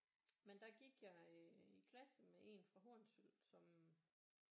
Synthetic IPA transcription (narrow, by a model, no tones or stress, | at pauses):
mend̥ɑ̈ɡ̥iɡ̥jɑ̈ikʰlæsəmeʔe̝̰nfʁɑ̈ɦoɐnsylsɒ̽m